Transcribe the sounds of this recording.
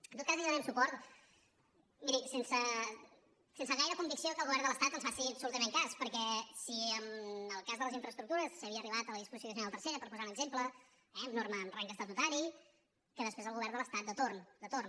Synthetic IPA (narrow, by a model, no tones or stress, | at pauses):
ənt̪ot̪kaziənɛmsupɔɾt̪ | miɾisensə | sensəɣajɾəkumbiksiokəlˠɣuβɛrnd̪ələst̪at̪ənsfasiəbsulut̪əmẽŋkaspəɾkɛsiəməlˠkazðələziɱfɾəst̪ɾuk̚t̪uɾəsːəβiəriβat̪ələðispuzisjoəs̬inaðəlˠt̪əɾseɾəpəɾpuzaunəɡzemplə | ɛəmnoɾmənraŋkəst̪ət̪ut̪aɾi | kəðəspɾezəlˠɣuβɛɾnd̪ələst̪at̪̚d̪ət̪ornd̪ət̪orn